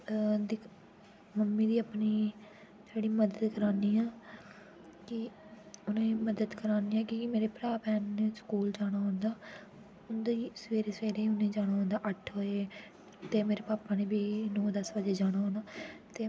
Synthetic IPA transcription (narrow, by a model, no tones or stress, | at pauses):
d̪iː | məmːiːd̪iːəpniː | d͡ʒeːɽiːməd̪əd̪kəɾaːniːaː | kɪ | ʊnẽːməd̪əd̪kəɾaːniːɛ̃ːkikimeːɾeːpɾaːpɛːnːeskuːld͡ʒaːɽ̃aːɦõnd̪aː | ʊnd̪iːsʋeːɾeːsʋeːɾeːʊnẽːd͡ʒaːɽ̃aːɦõːnd̪aːʔəʈʰɦoːe | t̪eːmeːɾeːpaːpaːneːbiːnõːd̪əsbəd͡ʒeːd͡ʒaːɽ̃aːɦõːnaːt̪eː